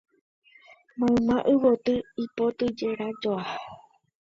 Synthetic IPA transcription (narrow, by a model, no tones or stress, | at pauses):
mãɨ̃mãʔɨwot̪ɨipo̞t̪ɨd͡ʒeɾad͡ʒoa